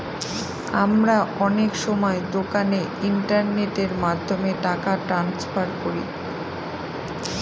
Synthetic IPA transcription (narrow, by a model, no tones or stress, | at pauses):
a̰mɾaɔnekʃɔmɔed̪okaneiɳʈaɾneʈeɾmad̪ʱːomeʈakaʈɾansfaɾkoɾḭ